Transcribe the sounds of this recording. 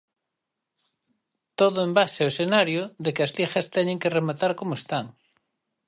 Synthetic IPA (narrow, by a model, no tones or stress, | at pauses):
t̪oðʊembaʃeaoesenaɾjʊðekɪɐslixɐst̪ɛɲẽŋkeremat̪aɾkomoest̪aŋ